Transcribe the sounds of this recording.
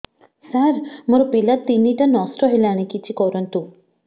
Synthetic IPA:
saɾmoɾopilat̪ːinːiʈanɔsʈɔɦelaɽ̃ikit͡ʃʰikɔɾənt̪u

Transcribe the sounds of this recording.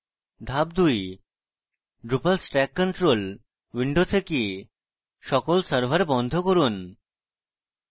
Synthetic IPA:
d̪ʱab̚d̪uj | ɖɾupalsʈɛkːɔɳʈɾol | wiɳɖot̪ʰeki | ʃɔkolsəɾbʱaɾebɔnd̪ʱokoɾun

